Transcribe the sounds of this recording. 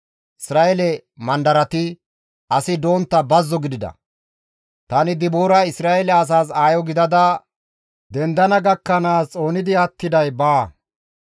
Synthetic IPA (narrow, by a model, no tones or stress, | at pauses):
ʔɪsɾaːɛlɛmɐnd̪ɐɾɐt̪ɪ | ʔɐsɪd̪o̞ːnt̪ːɐbɐzːɔɡɪd̪ɪd̪ɐ̰ | t̪ɐnɪd̪ɪboːɾɐɪsɾaːɛlɛɐs̬aːsaːjɔɡɪd̪ɐd̪ɐ | d̪ɛnd̪ɐnɐɡɐkːɐnaːst͡sʼo̞ːnɪd̪ɪɐt̪ːɪd̪ɐjbaː